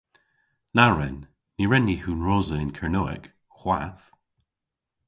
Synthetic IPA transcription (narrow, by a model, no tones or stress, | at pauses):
naɹɛnː | iɹɛnːihʉnɹozəɪnkʰəɹnoɪ̰k | xwa̰θ